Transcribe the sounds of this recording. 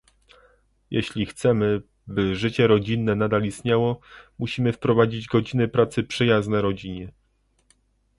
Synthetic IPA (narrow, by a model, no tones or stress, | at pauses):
jʔɛ̰ɕlʲixt̪sɛmɘ | bɘʐɘt͡ɕɛɾɔd͡ʑinːɛnad̪alist̪ɲawɔmuɕimɘfpɾɔvad͡ʑid͡ʑɡɔd͡ʑinɘpɾat̪sɘpʂɘjaznɛɾɔd͡ʑiɲɛ